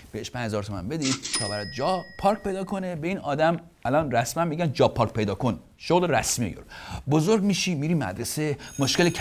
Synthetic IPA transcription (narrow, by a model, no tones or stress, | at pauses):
b̥eheʃpʰænhezɒːɾt̪ʰomæ̰nbe̞d̪it̪ʰɒ̰ːbæɾɛd̪̚d͡ʒɒːpʰɒːɾk̚ʲpʰe̞jd̪ɒːkʰo̞ne̞be̞iːnɒːd̪æm | ælɒːnræsmænmiːɟænd͡ʒɒːpʰɒːɾk̚ʲpʰe̞jd̪ɒːkʰon | ʃoɣleɾæ̰smiḛjo̰ɾbozoɾɟʲmiːʃimiːɾiːmæ̰d̪ɾese̞moʃkʲelecʰ